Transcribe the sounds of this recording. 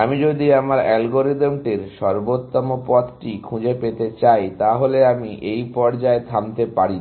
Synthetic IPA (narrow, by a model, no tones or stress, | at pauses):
amid͡ʑod̪iamaɾɛlɡoɾid̪omʈiɾʃɔɾbot̪ːɔmopɔd̪ʈikʰũd͡ʑepet̪et͡ɕajt̪aɦoleamiʔejpɔɾd͡ʑaed̪ʰʱamt̪epaɾi